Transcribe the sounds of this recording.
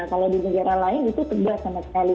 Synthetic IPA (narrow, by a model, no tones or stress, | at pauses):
kaladinəɡaɾahlaɪnit̪ut̪əbuaanasinali